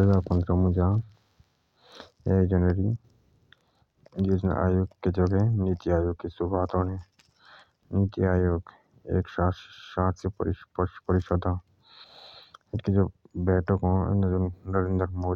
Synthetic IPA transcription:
lapə̃nd̪ɾəmũd͡ʒaː | eːkd͡ʒənʋəɾi | juːd͡ʒn̰ʔa̰ːjoɡkːed͡ʒoɡɛnit̪iaːjoːɡ̚kesʊbʱaːt̪oːnẽ | nit̪iaːjoɡ | ḛːkʃaːʃãːt̪ʰspɾppəɾɪʃɔd̪ãː | ɪtked͡ʒoːbɛːʈəkɦõḛnd̪d͡ʒonəɾeːnd̪ɾmoː

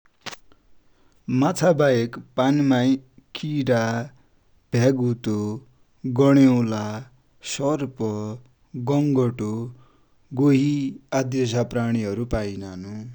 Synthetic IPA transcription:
mat͡sʰabajekpanmajkʰiɾa | b̥ʱjaɡut̪o | ɡʌɽ̃ewla | sʌrpʌ | ɡʌŋɡʌʈo | ɡoɦiad̪jʌs̬apraɽ̃iɦʌɾupajnanu

